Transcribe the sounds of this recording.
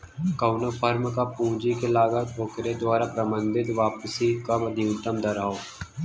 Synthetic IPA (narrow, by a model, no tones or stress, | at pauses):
kəʊnopʰəɾmkapũːd͡ʒikelaːɡat̪oːkɾed̪waːɾapɾəmə̃nd̪ɪd̪ʋaːpəsikamɐd̪ʱijʊt̪əmd̪əɾaːoː